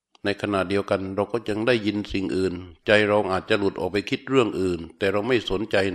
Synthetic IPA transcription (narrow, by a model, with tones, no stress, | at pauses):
na˧jkʰa˧na˨˩t̪̚di˧əwka˧nɾa˧wkɔː˥˩t͡ɕa˧ŋdaː˥˩jːi˧nsi˨˩ŋʔɯː˨˩nt͡ɕa˧jɾa˧wʔaː˨˩t̪̚t͡ɕa˨˩lu˨˩t̪ʔɔː˨˩k̚pa˧jkʰi˦˥t̪̚ɾɯ˥˩əŋʔɯː˨˩nt̪ɛː˨˩ɾa˧wma˥˩jso˩˦nt͡ɕa˧j